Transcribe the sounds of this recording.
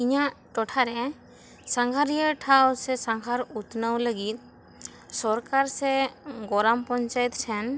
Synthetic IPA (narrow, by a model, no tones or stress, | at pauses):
iɲaʔʈɔʈʰaɾɛ | saŋɡʰʱaɾijəʈʰawsɛsaŋkaɾut̪nawləɡit̪̚ | sɔɾkaɾsɛɡɔɾampɔɲt͡ʃajt̪̚t͡ʃʰɛn